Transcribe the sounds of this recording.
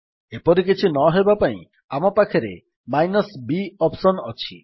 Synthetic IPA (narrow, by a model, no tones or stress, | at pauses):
epɔɾik̬it͡ʃʰinɔɦebapaḭ̃ | amɔpakʰeɾḛ | majnɔsbiɔpsɔnɔt͡ʃʰi